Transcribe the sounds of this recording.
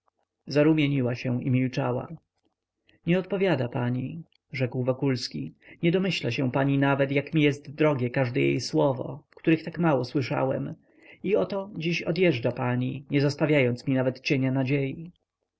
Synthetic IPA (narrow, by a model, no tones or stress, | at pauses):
zaɾumʲjeɲiwaɕɛ̃ḭmʲilt͡ʂa̰wa̰ | ɲɛɔt̪̚pɔvʲjad̪apaɲi | ʐɛkwvɔkulskʲiɲɛd̪ɔmɘɕlaɕɛ̃paɲinavɛt̪jakmʲijɛst̪d̪ɾɔɡʲjɛkaʐd̪ɛjḛjswɔvɔ̰kt̪uɾɘxt̪akmawɔswɘʂa̰wɛ̰m | iɔt̪ɔd͡ʑiɕɔd̪jɛʐd͡ʐapaɲiɲɛzɔst̪avʲjajɔnt̪smʲinavɛt̪t͡ɕeɲanad͡ʑeji